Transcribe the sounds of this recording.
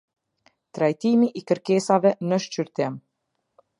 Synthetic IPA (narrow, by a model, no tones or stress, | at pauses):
t̪ɾajt̪imiʔːkəɾkɛsavɛnəʃt͡ɕyɾt̪ɪm